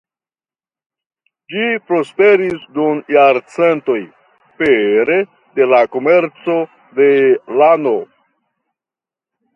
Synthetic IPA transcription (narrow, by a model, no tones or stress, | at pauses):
d͡ʒipɾo̞spe̞ɾisdunjaɾt͡se̞nto̞j | peɾe̞ | de̞lako̞me̞ɾt͡so̞ | de̞lano̞